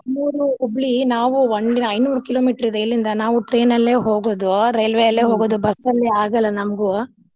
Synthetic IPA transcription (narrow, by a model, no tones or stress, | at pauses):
nuːɾuobɭinaːʋuɐɳiɐjnuːɾukilo̞ːmiːʈɐɾid̪ɐilːind̪ɐnaːʋuʈɾe̞ːnɐlːe̞ːɦo̞ːɡoːd̪uɾɐjlʋejɐlːeːɦoːɡoːd̪ubɐsːɐlːiaːɡɐlːɐnɐmɐɡu